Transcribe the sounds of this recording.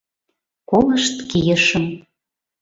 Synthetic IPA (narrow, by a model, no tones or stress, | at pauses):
koləʃt̪kijə̆ʃəm